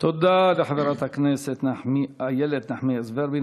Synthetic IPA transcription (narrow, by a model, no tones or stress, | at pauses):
t̪od̪aleħaveɾat̪hakneset̪naħmiajeled̪naħmiezbeɾbin